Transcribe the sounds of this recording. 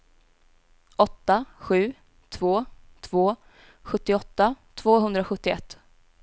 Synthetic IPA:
ʔɔt̪ːaɧʉ̟ː | t̪ʰvoːt̪ʰv̥oː | ɧɵt̪ːɪɔt̪ːat̪ʰv̥oːɦɵnd̪ɾaɧɵt̪ːɪɛt̪ː

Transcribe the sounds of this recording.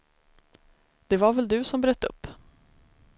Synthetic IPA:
d̪̥ɛvaɾvɛld̪ɵsɔmbɾøːt̪ːɵ̰pː

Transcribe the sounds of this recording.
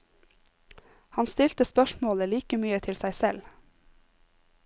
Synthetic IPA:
hɑnst̪ɪlt̪əspœʃmoːləliːkəmyːət̪ʰɪlsæɪsɛl

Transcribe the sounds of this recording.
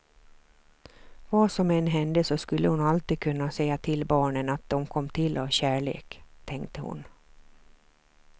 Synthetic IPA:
vaːsɔmɛnɦɛnd̪əsɔskɵlːʔəhʊnalt̪iːd̪̚kʰɵnːasɛjːat̪ʰɪlbɑːɳənat̪̚d̪̥ɔmkʰɔmːt̪ʰɪlʔavɕæːɭḛːkt̪ʰɛŋkt̪əhʊ̰n

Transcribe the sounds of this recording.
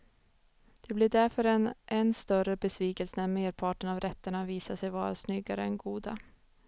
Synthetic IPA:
d̪̥ɛblɪɖæɾfœɾɛnʔɛnst̪œrəbɛsviːkɛlsənæɾmeːɾpʰɑːʈəɳavɾʔɛt̪ːəɳaviːsaʂɛjvɑːɾa̰snʏɡːaɾəɛnɡuːd̪a

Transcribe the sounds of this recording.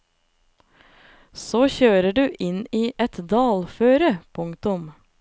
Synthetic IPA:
soːçøːɾəɖʉːʔɪniːʔɛt̪d̪ɑːlføːɾəpʰʊŋt̪ʊm

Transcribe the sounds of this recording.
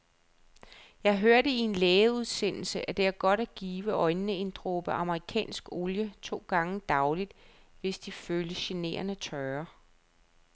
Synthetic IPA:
jɑ̈ɪɦøɐɾəie̝nleːuð̞ˠsen̰l̩səʔæd̥e̝æɐɡ̥ɒ̽ɾ̥æɡ̥iːʋəʔɒ̽ɪnːnəe̝nd̥ʁob̥əʔɑ̈məʁikʰɛ̰ːnsɡ̥o̝ljət͡sʰo̝̰ːɡ̥ɑ̈ŋəd̥ɑ̈ʊlid̥ | ʋe̝sd̥iføːləɕe̝ne̝̰ːɐnət͡sʰœɐ

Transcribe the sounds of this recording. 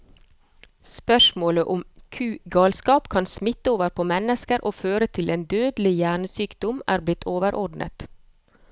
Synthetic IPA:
spœʃmoːləʔʊmkʰʉːɡɑːlskɑːpkʰɑnsmɪt̪əoːʋəɾpʰoːmɛnəskəɾʔoːføːɾət̪ʰɪleːnd̪øːd̪lɪjæːɳəsyːkd̪ɔmʔæːɾblɪt̪ʰoːʋəɾʔɔɖnʔə̰t̪

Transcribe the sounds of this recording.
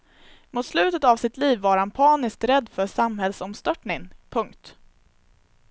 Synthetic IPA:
muːt̪slʉ̟ːt̪ət̪avsɪt̪liːvːaɾhanpʰɑːnɪsk̚t̪ɾɛd̪ːfœʂamɦɛlsɔmst̪œʈɳɪŋpʰɵŋkt̪

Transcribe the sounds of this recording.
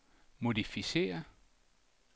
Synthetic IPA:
mo̝difise̝̰ːɐ

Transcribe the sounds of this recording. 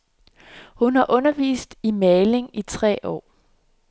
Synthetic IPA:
hunhɑ̈ʔɔ̽nɐʋḭːsd̥imɛːle̝ŋit͡sʰʁɛ̰ːɒ̰ː

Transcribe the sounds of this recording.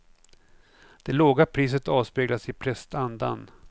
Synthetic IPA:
d̪̥ɛloːɡapʰɾiːs̬ət̪ɑːvspeːɡlasɪpʰɾɛst̪and̪a̰n

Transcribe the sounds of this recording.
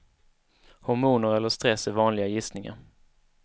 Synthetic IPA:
hʊɾmuːnəɾɛlːəʂt̪ɾɛsːævɑːnlɪɡajɪsnɪŋa̰ɾ

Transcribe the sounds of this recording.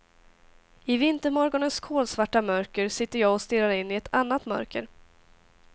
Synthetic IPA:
ɪvɪnt̪əɾmɔɾɡɔnənskʰoːlsvaʈːamœɾkəɾsɪt̪ːəɾjɑːɡɔst̪ɪɾaɾɪnːɪɛt̪ʰanːat̪mœ̰ɾkəɾ

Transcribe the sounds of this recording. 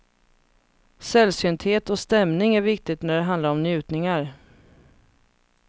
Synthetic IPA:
sɛlsʏnt̪ʰheːt̪ɔst̪ɛmnɪŋæɾvɪk̚t̪ɪɡt̪næɖɛɦand̪aɾɔmnjʉ̟ːt̪nɪŋaɾ

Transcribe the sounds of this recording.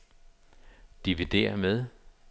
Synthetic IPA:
d̥iʋid̥ḛːɐmeð̞ˠ

